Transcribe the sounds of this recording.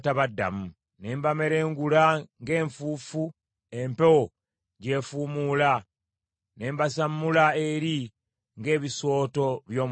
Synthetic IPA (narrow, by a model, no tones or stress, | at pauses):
taβadːa̰mu | ne̞ːmbameɾe̞ːŋɡulaŋɡe̞ːɱfuːfu | empewo | ɟe̞ːfuːmuːla | ne̞ːmbasamːulaeɾi | ŋɡe̞ːβiso̞ːto̞βjo̞ːm